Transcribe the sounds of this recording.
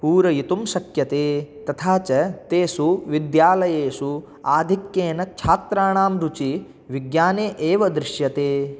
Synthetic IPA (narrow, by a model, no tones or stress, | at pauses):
puːɾɐjit̪umsɐkjɐt̪eːt̪ɐt̪ʰaːt͡ʃɐt̪eːsuʋid̪jaːlɐjeːsu | aːd̪ʱikjeːnɐt͡ʃʰaːt̪ɾaːɳaːmɾut͡ʃi | ʋiɡjaːneːʔeːʋɐd̪ɾɪʃjɐt̪eː